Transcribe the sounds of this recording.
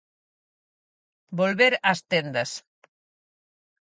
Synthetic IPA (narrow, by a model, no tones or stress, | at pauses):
bolβeɾast̪end̪ɐs